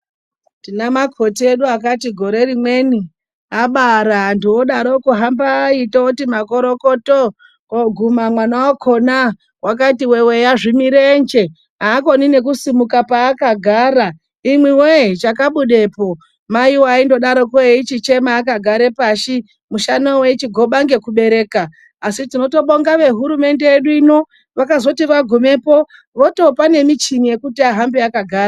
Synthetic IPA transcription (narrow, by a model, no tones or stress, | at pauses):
tinamakʰo̞tieɗuakatiɡʱo̞ɾe̞ɾimwe̞ni | aɓaɾandiwoɗaɾokuɦambaitoutimako̞ɾo̞ko̞to | oɡʱumamwanaokʰo̞na | wʔak̬atiwe̞we̞jaʐimiɾend͡ʒe̞ | ɦaːko̞nine̞kusimukapaːkaɡʱaːɾa | imwiwet͡ʃakaɓuɗe̞po̞ | maiwaindo̞ɗaɾo̞koeit͡ʃit͡ʃe̞maːk̬aɡʱaɾe̞paʃi | muʃanowe̞t͡ʃiɡʱo̞ɓaŋɡe̞kuɓe̞ɾe̞ːkaː | sitino̞to̞ɓo̞ŋɡaʋe̞ɦuɾume̞nde̞eɗuino̞ | ʋakazo̞tiʋaɡʱume̞po̞ | ʋo̞to̞pane̞mit͡ʃinije̞kutiaɦambeakaɡʱaːra